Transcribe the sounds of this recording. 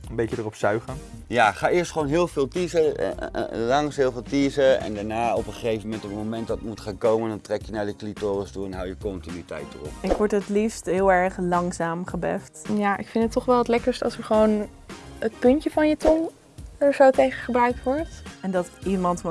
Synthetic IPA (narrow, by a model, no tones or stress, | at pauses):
ənmbejədərɔpsœɥχən | jaχaːɪəstχəʋownɦɪːlˠvɪːlˠtizə | lɑŋsɦɪːlˠvɪːlˠtiːzəɛ̰ndaɹnaːɔpəχejvəmɛntɔt̚momɛnt̚dɑtmutχaːnkowməndɑntrɛkjənaɹdəklitoːrəstuɛnɦawjəkɔntinytɛ̰jtərɔ̰pɪkʋɔɹtətlifstɦɪːlˠɛɹχlɑŋsaːmχəbɛftjaːʔɪkfɪntətːɔχʋɛlˠʋətlɛkəɹstɑlˠsəɹχəʋown | ət̚pɵntəvɑnjətɔŋ | əzowtejχəχəbrœɥk̚tʋɔɹtɛndɑtimɑntm